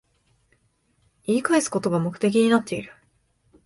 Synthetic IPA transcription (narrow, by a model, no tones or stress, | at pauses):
iːkaesɨ̥ko̞t̪o̞ɡamo̞kɯ̟̥t̪e̞k̬ʲiɲ̟inat̪ːe̞iɾɯ̟̥